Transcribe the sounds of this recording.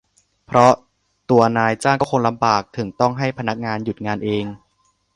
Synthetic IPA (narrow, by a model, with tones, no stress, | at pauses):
pʰɾɔ˦˥ | t̪u˧ɐnaː˧jt͡ɕaː˥˩ŋkɔː˥˩kʰo˧ŋla˧mbaː˨˩k̚t̪ʰɯ˩˦ŋt̪ɔ˥˩ŋɦa˥˩jpʰa˧na˦˥k̚ŋaː˧nju˨˩t̪̚ŋaː˧nʔeː˧ŋ